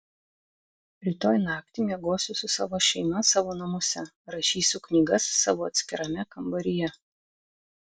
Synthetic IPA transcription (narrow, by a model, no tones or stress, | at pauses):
ɾʲɪt̪oːjnɑːkt̪ʲɪˑmʲeɛɡoːsʲʊsʊsɑ̰ːʋoːʃʲɛɪmɐsɑːʋoːnɐmʊsʲɛ | ɾɐʃʲiːsʲʊknʲiɡɐsːɑ̰ːʋoːɐt̪ʲsʲkʲɪɾɐmʲɛkɐmbɐɾʲɪjɛ